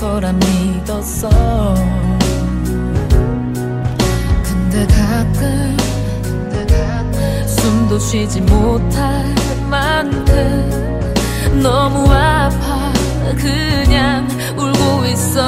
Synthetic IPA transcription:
tʌɾanːidʌs͈ʌ | kɯndekak͈ɯ | kndea | sundot͡ɕʰwid͡ʑimotʰa | mandʰɯ | nʌmuapʰa | kɯ | ɲaŋ | uɭɡois͈ʌ

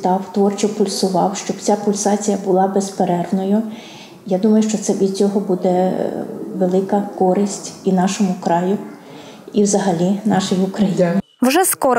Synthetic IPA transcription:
t̪ɑwt̪ʋɔrt͡ʃɔpʊlʲsʊʋɑwʃt͡ʃɔb̥t͡sʲapʊlʲsɑt͡sʲijɐbʊlˠɑbespeɾɛrʋnɔjʊ | jad̪umɐjʊʃt͡ʃɔt̪sɛʋʲid̪t͡sʲɔɦɔbud̪ɛ | ʋelˠɪkɐkɔɾɪsʲtʲinɑʃɔmʊkɾɑjʊ | iwzɐɦɐlʲinɑʃɪjʊkɾɐj | wʒɛskɔɾ

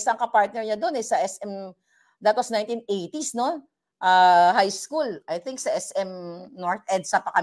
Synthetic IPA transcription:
sɐŋkɐpaɹt̪̚nɛɹɲɐd̪o̞nɛsɐʔɛsɛm | d̪at̪osnajnt̪inejt̪isno̞ | ʔahajskulʔɐjt̪ɪŋksɐʔɛsʔɛmnoɹt̪̚ʔɛd̪̚sɐpɐkɐ

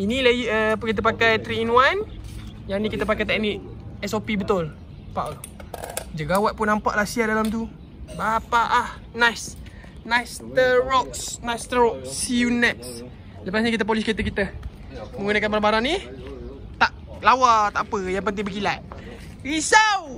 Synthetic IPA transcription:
inilaiəpkit̪əpakajt̪ɾiːnũanjanikit̪əp̬akajt̪ɛk̚niʔ̚ɛsopibət̪ʊl | paʔə | d͡ʒəɡawaʔ̪̚pʊnːampa̰ʔlasiadalamt̪̬u | bapaʔah | najs | najst̪əɾɔksnast̪əɾɔk̚sjunɛts | ləpas̬ɲakit̪̬əp̬olisket̪əkit̪ə | mə̃ŋɡunakanbaɾabaɾaŋni | t̪aʔ | lawat̪aʔapəjaŋpənt̪ɪŋbəkilat̪̚ | ɾisaw

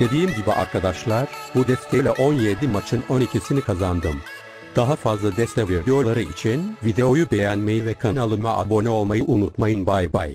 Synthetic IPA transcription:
d̪̥e̞d̪ijimɟibiʔa̰ɾkʰad̪aʃlˠaɾ̥bud̪ɛst̪ʰelʲɛʔo̞njed̪imat͡ʃʰɯno̞nicʰisinikʰazand̪ɯm | d̪̥aɦafazlˠad̪ɛst̪ʰɛviɾd̪eo̞lˠaɾɯit͡ʃʰinvid̪e̞o̞jubejænme̞jivɛkʰanalˠɯnmaʔa̰bo̞nɛo̞lˠmajɯʔunut̪majɯnbajba̰j

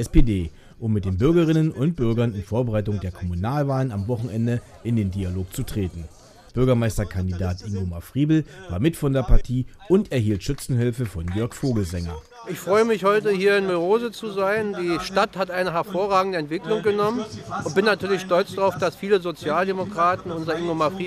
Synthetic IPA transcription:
ʔɛspedeː | ʔʊmːɪt̚d̥eːnbʏɐɡɐʁɪnənʊnt̚b̥ʏɐɡɐnɪnfoːɐbəʁaɪtʊŋdeːɐkʰɔmunaːlvaːlənamvɔχn̩ʔɛndə | ʔɪndeːndiːaloːk̚t͡sutʁ̥eːtn̩ | b̥ʏɐɡɐmaɪstɐkʰandidaːtʔɪŋɡomafʁ̥iːbl̩vaːɐmɪtfɔndeːɐpaɐtʰiːʔʊntɛɐɦiːltʃʏt͡sn̩ɦɪlfəfɔnɡœɐkfoːɡl̩zɛŋɐ̰ | ʔɪçfʁ̥ɔʏəmɪçhɔʏtəhiːɐɪnmyʁoːzət͡suzaɪndiːʃtathatʔaɪnəɦɛɐfoːɐʁaːɡŋ̩dəɛntv̥ɪklʊŋɡənɔmənʔʊnt̚b̥ɪnːatʰyːɐlɪçʃtɔlt͡sd̥ʁaʊfd̥asfiːləzot͡sjaːldemokʁ̥aːtn̩ʊnzɐɪŋɡomafʁiː

